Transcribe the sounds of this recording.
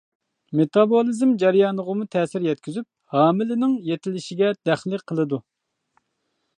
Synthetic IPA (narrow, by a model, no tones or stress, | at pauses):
met̪ɑbolˠizɪmd͡ʒɛɾjɑːnəʁəmut̪ʰɛːsɪɾjɛt̪̚kʲyzyp̚hɑːmɪlɪnɪŋjet̪ʰɪlɪʃɪɡʲɛd̪̥æχlɨqʰəlˠɨd̪u